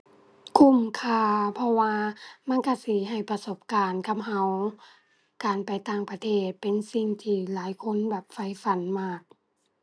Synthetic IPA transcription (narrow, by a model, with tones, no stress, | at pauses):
kʰu˧˩˨mkʰaː˧˩pʰɔ˧waː˧ma˧˥˨nka˧˩siː˨˦ɦa˧˩jpa˧so˧˦p̚kaː˨nkʰa˧˥m̚ha˧˩w | kaː˨˩npa˨jt̪aː˧˩ŋpa˧t̪ʰeː˧˩t̪̚pe˨nsi˧ŋt̪ʰiː˧˩laː˨˦jkʰo˧˥˨nbɛː˨˩p̚fa˧˥˩jfa˨˦nmaː˧˥˩k̚